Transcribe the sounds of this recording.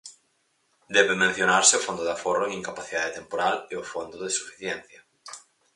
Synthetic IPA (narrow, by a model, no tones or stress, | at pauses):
d̪ɛβemẽn̟θjonaɾsɪʊfond̪ʊðaforoeŋiŋkapaθiðaðet̪empoɾaleʊfond̪ʊðesu̥fi̥θjɛn̟θjɐ